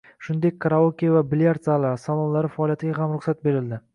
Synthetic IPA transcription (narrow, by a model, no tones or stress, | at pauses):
ʃʊnd̪e̞k̚ʲkːʰɾaokʲijavabɪljaɾt̪salaɾsalˠɒnlaɾɪfaːlijat̪ʰɪɡʲaɦamɾʊχsat̪̚be̞ɾɪld̪ɪ